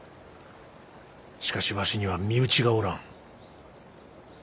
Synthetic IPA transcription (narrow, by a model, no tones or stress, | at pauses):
ɕi̥kaɕiβaɕiɲ̟iβamʲiɯ̟t͡ɕiɡaoɾãŋ